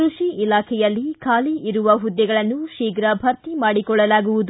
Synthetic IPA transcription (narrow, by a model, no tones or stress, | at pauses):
ɾuʂiilaːkʰɛjɐlːikʰaːliiɾuʋɐɦud̪ːɛɡɐɭɐnːuʃiːɡɾɐbʱɐɾt̪imaːɽikɔɭːɐlaːɡuʋud̪u